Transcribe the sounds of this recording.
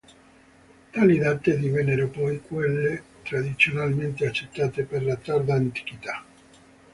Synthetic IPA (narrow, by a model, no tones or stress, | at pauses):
t̪aːlid̪at̪ːed̪ivɛnːeɾopɔjkwelːe | t̪ɾad̪it̪sjonalment̪eat͡ʃːet̪ːaːt̪eperlat̪aɾd̪aːnt̪i̥kit̪a